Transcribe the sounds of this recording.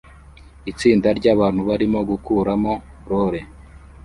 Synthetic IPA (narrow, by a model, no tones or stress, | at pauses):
it͡siːndaɾɟaːβaːn̥huβaɾimo̞ɡukuːɾamo̞ | ɾoɾe̞